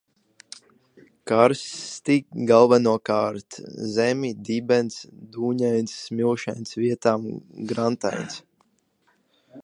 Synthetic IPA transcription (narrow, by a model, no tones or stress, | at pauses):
kaɾst̪iɡalˠvanuɔkaːɾt̪zɛmʲid̪ibʲɛnt̪sd̪uːɲajnʲsmilˠʃajnsvʲiɛt̪aːmɡɾant̪a̰jns